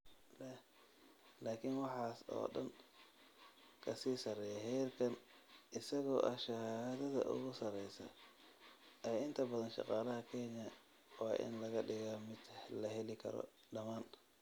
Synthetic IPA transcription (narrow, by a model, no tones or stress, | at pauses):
lɛh | laːkʰɪnwɑħɑːsɔ̰ːɗɐn | kʰɐsiːsɐɾɛjɐɦɛːrkʰɐn | ʔɪsɐɣɔːʔɐʃɐhaːðɐðɐ̰ʔʊ̰ɣʊsɐɾɛjsɐ̰ | ʔɛːɪnt̪ʰɐbɐðɐnʃɑ̰qɑːlɐɦɐkʰɛnjɐ | wɑːʔɪ̰nlɐɣɐɖɪɣamɪd̪lɐɦɛlɪkʰɐ̰ɾɔ̰ | ɖɐmaːn